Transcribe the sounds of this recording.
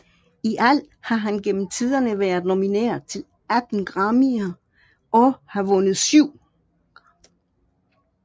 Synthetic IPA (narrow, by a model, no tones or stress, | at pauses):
iʔæl̰ | hɑ̈ɦænɡ̥en̰m̩t͡sʰið̞ˠɐnəʋæɐð̩ˠno̝minḛɐ̰t͡sʰe̝l | æd̥n̩ɡ̥ʁɑ̈miɐ | ɒ̽hɑ̈ʋɔ̽nəð̞̩ˠsyʊ̰